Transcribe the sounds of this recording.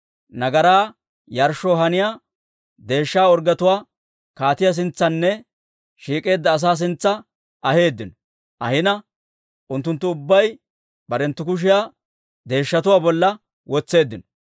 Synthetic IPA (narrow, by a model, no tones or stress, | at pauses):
nɐɡɐɾaː | jɐɾʃoːɦɐnɪja | d̪e̞ːʃːaːɔɾɡɐt̪ʊwaː | kaːt̪ɪjɐs̬ɪnt͡sːɐnːɛ | ʃiːkʼe̞ːd̪ːɐːs̬aːs̬ɪnt͡sːɐ | ɐhe̞ːd̪ːɪnɔ | ʔɐ̰hɪnɐ | ʔʊnt̪ːʊnt̪ːʊʊbːɐj | bɐɾɛnt̪ːʊkʊʃ̬ɪjaː | d̪e̞ːʃːɐt̪ʊwaːbɔlːɐ | wɔt͡sːe̞ːd̪ːɪnɔ